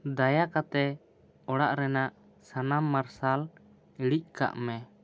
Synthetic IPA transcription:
d̪ajakat̪ɛ | ɔɽaʔɾɛnaʔ | sanamːaɾsal | iɽiʔ̚ka̰ʔmɛ

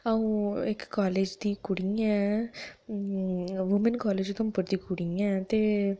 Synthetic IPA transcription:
ɐʋũekkaːleːd͡ʒt̪ikːuɽɪŋɡɐ | ʋʊmɐnkaːleːd͡ʒɪt̪ɐ̃mpɔɽt̪ːikːuɽɪŋɡɐt̪e

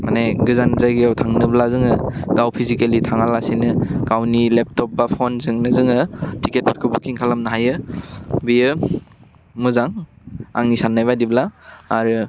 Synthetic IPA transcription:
maneɡɯzanzajɡijawtʰaŋnɯblazɯŋɯɡawpʰizikelitʰaŋalasinɯɡawnilep̚tɔp̚bapʰonzɯŋnɯzɯŋɯtʰiket̚pʰɔt̚kʰɯbukʰiŋkʰalamnaɦajɯbijɯ | mɯzaŋ | a̰ŋnisanːajβadiblaːɾɯ

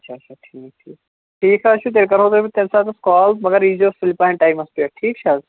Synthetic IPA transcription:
ɐtʃʰaːt͡ʃʰaʈʰiːk̚ʈʰiːk̚ | ʈʰiːkɦaʃuːt̪̬eɾkəɾɦoːt̪opit̪ẽnsat̪ʰeskɔːlsmɐɡəɾid͡ʑosfɪlpaɦɛ̃ɳʈaimɐst̪ueʈʰiːkt͡ʃʰaːz

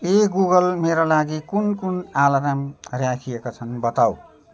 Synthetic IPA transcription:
eɡuɡʌlmeɾolaɡikunkunalaɾamrjakʰijekot͡sʰʌnbʌt̪aw

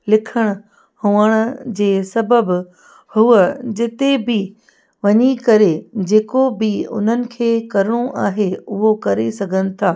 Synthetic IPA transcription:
lɪkʰəɽ̃ʊ | hʊəɽ̃ʊd͡ʑeːsɐbəb | hʊəd͡ʑɪt̪ebɪ | ʋɐɲikɐɾed͡ʑeːkobɪʊ̰n̤ənɪ̆kʰeːkɐɾɪɽ̃uʔaːɦeʊɦokɐɾesɐɡʱənɪ̆t̪ʰaː

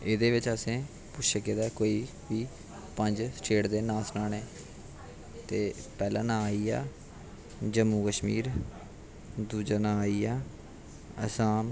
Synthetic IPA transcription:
ed̪eːʋɪt͡ʃəsẽː | pʊt͡ʃʃʰeːked̪aːkoːiː | ʋiː | pəɲd͡ʒsʈʰeːʈd̪eːnaːsnaːneː | t̪eːpɛːlã̰ːnãːaːiːa̰ː | d͡ʒəmːũːkəʃmiːɾ | d̪uːd͡ʒaːnãːaːiːaː | ə̰saːm

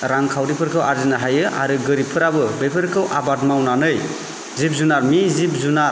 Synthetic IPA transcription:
ɾaŋkʰawɾipʰɯɾkʰɯwʔaɾzinaɦajɯʔa̰ɾɯɡɯɾipʰɯɾabɯbejpʰɯɾkʰɯwʔabadmawnanɯj | zip̚zunaɾmizip̚zuna

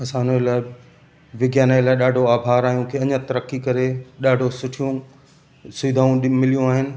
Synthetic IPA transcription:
ɐsãːɪnəlaːɪ | ʋɪɡjaːnaelaːɪɗaːɖʱoaːbʱaːɾaːɦijũkʰeːɐɲə̃t̪ɐɾəkikɐɾeɗaːɖʱosʊʈʰijũ | sʊɪd̪ʱaːũɗmɪlijũaːɦɪnɪ̆

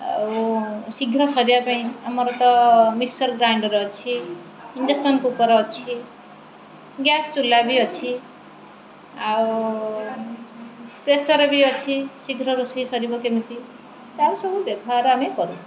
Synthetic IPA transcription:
a | siɡʱɾʌsʌɾiapaĩamʌɾʌt̪ʌmiʈsʌrɡɾawɳɖʌɾːt͡sʰiː | ɳɖʌsʈʌnkupʌɾʌːt͡sʰi | ɡjastulːabiʌt͡sʰi | a | presʌɾʌbiʌt͡sʰisiɡʱɾʌɾusisʌɾibʌkemit̪i | t̪aɾusʌbobjebʱaɾɦamekʌɾũ

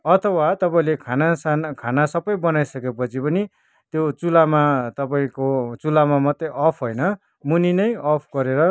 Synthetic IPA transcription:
ʌt̪ʰʌwat̪ʌpaĩlekʰanasankʰanasʌbʌjbʌnajsʌkepʌt͡sʰipʌni | t̪jot͡sulamat̪ʌpaĩkot͡sulamamʌt̪ːeʔʌpʰɦʌjnʌ | muninʌjʌpʰɡʌɾeɾʌ

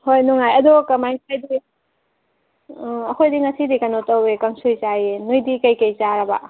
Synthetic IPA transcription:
hojnuŋajɐdokɐmajŋkʰajdi | ɐkʰojdiŋɐsidikɐnotɐwekɐŋsujt͡ʃajenujdikɐjkɐjt͡ʃaɾɐba̰

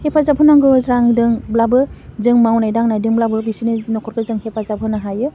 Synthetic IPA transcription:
hepʰazapʰɯnaŋɡɯɾaŋdɯŋblabɯzɯŋmawnajdaŋnajdɯŋblabɯbisininɔkʰɔɾkɯzɯŋhepʰazapʰɯnaɦajɯ

